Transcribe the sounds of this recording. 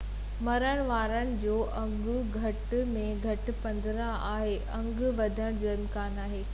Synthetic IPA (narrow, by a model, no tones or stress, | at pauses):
mɐɾəɽ̃ʋaːɾənɪ̆d͡ʑoːʔɐ̃ŋɡʊɡʱɐʈmẽɡʱɐʈɪ̆pɐ̃nd̪ɾãʔaːɦeʔɐ̃ŋɡʋɐd̪ʱəɽ̃d͡ʑoːɪmkaːnaːɦeː